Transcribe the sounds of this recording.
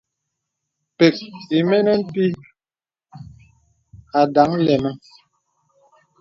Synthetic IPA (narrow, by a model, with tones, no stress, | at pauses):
pe˨k̚i˨mɛ˦nɛ˦m̩˦pi˦ | a˨da˨˦ŋlɛ˨mə˦